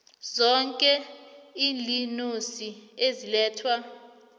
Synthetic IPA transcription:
zɔŋkʼɛiːlinusiezilɛːtʰwa

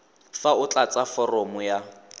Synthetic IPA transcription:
faʊt͡ɬat͡safɔrɔmʊja

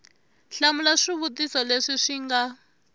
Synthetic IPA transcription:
ɬamulaʂiβutisɔleʂiʂiŋɡa

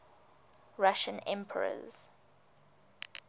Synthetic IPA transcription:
ɹaʃə̃nɛ̃mpʰəɹə̰z̥

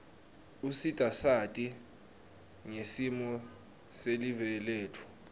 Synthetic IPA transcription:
usitʼasatʼi | ŋesimɔ | selivɛleːtʰu̥

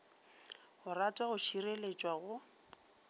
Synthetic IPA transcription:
ɣʊratʼwaɣʊt͡ʃʰirelet͡ʃʼwaɣʊ

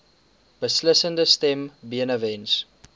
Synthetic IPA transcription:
b̥əsləsəndəstɛmbiənəvɛnts

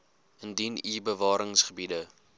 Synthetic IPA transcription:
əndiniːbəvɑːɾəŋsχəbidə

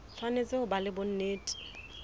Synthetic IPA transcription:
fanet͡sʼɪʊbalɪbʊn̩neːtʼi̥

